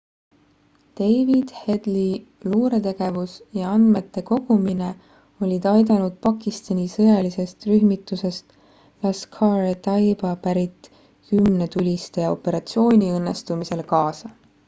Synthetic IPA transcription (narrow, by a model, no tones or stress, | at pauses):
t̪e̞jvid̪̥he̞d̪̥li | luːɾe̞t̪e̞ɡ̥e̞vusjɑɑnd̪̥me̞t̪ːe̞ko̞ɡ̥umine̞ | o̞lʲid̪̥ɑjd̪ɑnud̪̥̚pɑkːˑist̪ɑnʲisɤjɑlise̞st̪ryɦmit̪ːˑuse̞st̪ | lɑskʰɑɾet̪ɑjbɑpæɾit̪ːˑ | kymne̞t̪ulʲist̪ejɑo̞̰pːe̞ɾɑt̪sio̞ːnʲiɤnːest̪umise̞lkɑːsɑ